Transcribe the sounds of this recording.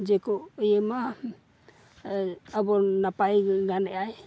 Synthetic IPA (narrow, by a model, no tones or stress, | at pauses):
d͡ʒɛkɔjɛma | abɔnapajɡanɛʔaj